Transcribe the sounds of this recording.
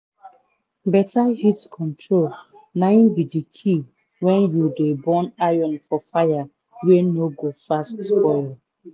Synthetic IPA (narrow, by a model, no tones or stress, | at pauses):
bɛtʰahitkʰɔ̃ntɹol | naĩnbidikʰi | wɛ̃njudebɔ̃najɔ̃nfɔfaja | wenoɡofastfɔjɔ